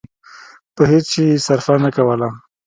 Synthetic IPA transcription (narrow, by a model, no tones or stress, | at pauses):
pəhet͡st͡ʃesaɾfanakawəla